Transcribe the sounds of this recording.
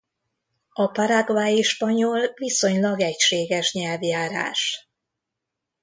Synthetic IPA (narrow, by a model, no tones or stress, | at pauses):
ɒpaɾaɡvaːjiʃpɒɲolviso̞ɲlɒɡɛcʃeːɡɛʃɲɛlvjaːɾa̰ːʃ